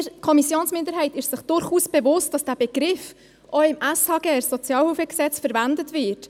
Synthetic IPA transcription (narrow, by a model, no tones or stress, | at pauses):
kʰɔmisjoːnsmɪnd̪əɾɦɛɪtɪʃsɪχd̥ʊɾχuːsb̥ɛvʊst̚ɑsd̥æːb̥eɡ̥ɾɪf | ʔɔɪmæshɑɡ̥ɛsɔt͡sjɑːlhuːfəksɛt͡sfəɾvændətvɪt